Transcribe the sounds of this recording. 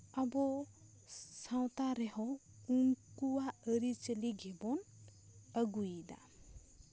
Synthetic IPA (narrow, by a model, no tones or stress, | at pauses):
abɔ | sawt̪aɾeɦɔ | uŋkuwaəɾit͡ʃəliɡʱebɔn | əɡujida̰